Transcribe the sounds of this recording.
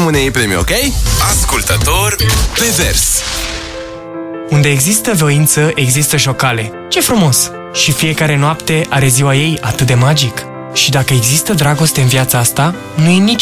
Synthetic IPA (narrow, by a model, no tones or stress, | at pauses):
mɨneipɾemio̰kejaskult̪ət̪orʲklevḛrs | und̪e̞ːɡzist̪əvoint̪səʔe̞ɡzist̪əʃ̬o̞kale̞ | t͡ʃe̞fɾumo̞s | ʃifije̞kaɾe̞noapt̪e̞ʔaɾe̞ziwaje̞jat̪ɨt̪̚d̪e̞mad͡ʒik | ʃid̪akəe̞ɡzist̪əd̪ɾaɡo̞st̪e̞ɨnviat̪səast̪a | nujenit͡ʃ